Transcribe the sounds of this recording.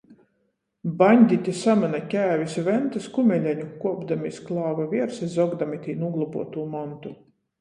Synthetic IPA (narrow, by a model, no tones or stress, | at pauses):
banʲd̪ʲit̪ʲisamanakʲæːvʲisvʲɛnt̪askumʲɛlʲɛɲukuɔbd̪amʲisklˠɑːvavʲiɛɾsɛzɔɡd̪amʲit̪ʲiːnuɡlˠubuɔt̪uːmant̪u